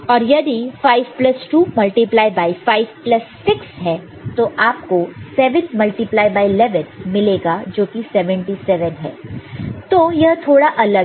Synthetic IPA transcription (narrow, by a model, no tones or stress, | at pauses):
ɔːɾjɐd̪ifaːɪʋplɐsʈuːmɐlʈiplaːjbaːifaːɪʋplɐsːɪksɦɛː | t̪oʔaːpkosɛːʋɪ̃nt̪mɐlʈiplaːɪjbaːilɛʋə̃nmɪleːɡad͡ʒoːkisɛʋɛ̃ɳʈisɛʋə̃nɦɛ̰ːt̪oːjɐɦt̪ʰoːɽaʔɐləɡ